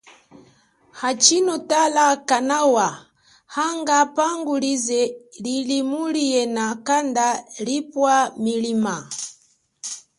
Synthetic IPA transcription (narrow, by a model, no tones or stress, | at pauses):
hat͡ʃinɔtalakanawa | haŋɡapaŋɡulizɛlilimuliɛnakandalipwamilima